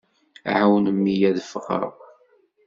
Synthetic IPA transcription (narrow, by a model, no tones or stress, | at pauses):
ʕawnəmːijæðəfəʁə̰ɾ